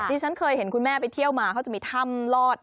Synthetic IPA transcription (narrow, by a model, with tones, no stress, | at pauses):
nʰiː˧t͡ɕʰa˦˥nkʰɤː˧jhe˨˩˦nkʰu˧nmɛː˥˩pa˧jt̪ʰi˥˩əwmaː˧kʰa˦˥wt͡ɕa˨˩ʔmiː˧t̪ʰa˥˩mlɔː˥˩t̪̚